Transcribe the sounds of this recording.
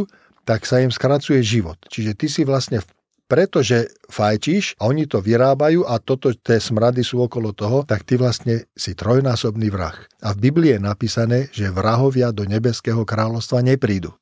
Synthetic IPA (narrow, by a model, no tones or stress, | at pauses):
t̪aksaimskɾat͡sujɛʒiʋɔt̪t͡ʃiʒɛt̪isiʋlast̪ɲɛ | pɾɛt̪ɔʒɛ | fajciːʃaɔɲit̪ɔʋiɾaːbajuːʔat̪ɔt̪ɔt̪ɪɛːsmɾad̪isuːɔkɔlɔt̪ɔɦɔt̪akt̪iʋlast̪ɲɛsit̪ɾɔjnaːsɔbniʋɾa̰xavbibliːjɛnapiːsanɛːʒɛʋɾaɦɔʋɪad̪ɔɲɛbɛskɛːɦɔkɾaːlɔʊst̪ʋaɲɛpɾiːd̪u